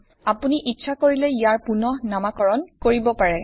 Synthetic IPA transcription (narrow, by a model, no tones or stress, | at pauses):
apuniʔitːʃʰakoɹilɛijaɹpunɔhnamakɔɹɔnkoɹibɔpaɹɛ